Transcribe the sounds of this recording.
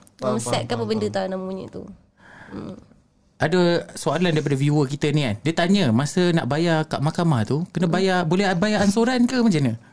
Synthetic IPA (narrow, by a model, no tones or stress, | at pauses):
aməsɛ̰t̪̚kapəbəndət̪anaʔmuɲḭʔt̪ṵ | m | ʔadəsoalandaɾip̬adəviuəkit̪ənikandiət̪aɲəmasəna̰ʔbajaka̰ʔmakamaht̪ukənəbajabolɛɦbajaansoɾankəmad͡ʒənə